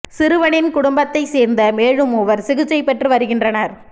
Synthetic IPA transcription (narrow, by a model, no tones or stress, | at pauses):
sɪɾɯʋɐɳɪnkʊɽʊmbɐt̪ːɐɪseːɾnd̪ɐmeːɻɯmʊʋɐɾsɪɣɯt͡ʃːɐɪpːɛʈrɯʋɐɾɯɣɪndrɐnɐɾ